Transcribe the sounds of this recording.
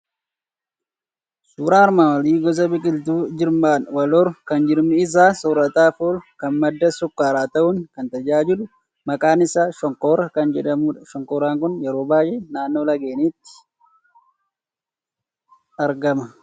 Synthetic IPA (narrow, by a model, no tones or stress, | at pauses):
suːɾaːɐɾmaːwɐliːɡɔs̬ɐbɪkʼɪlt̪uːd͡ʒɪɾmaːnwɐlɔɾkɐnd͡ʒɪɾmɪɪs̬aːsɔɾɐt̪ʼaːfoːlkɐnmɐd̪ːɐsʊkʼːaːɾaːt̪ɐʔʊŋkɐnt̪ɐd͡ʒaːd͡ʒɪlʊ | mɐkʼaːnɪsaːʃɔŋkoːɾɐkɐnd͡ʒɛᶑɐmuᶑʃɔŋkoːɾaːŋkʊnjɛɾoːbaːjenaːnːoːlɐɡeːniːt̪ːɪ̥ | ɐɾɡɐmɐ